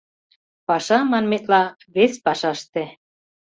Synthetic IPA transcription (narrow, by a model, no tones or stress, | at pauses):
pɑʃɑmɑnmet̪lɑ | βespɑʃɑʃt̪ĕ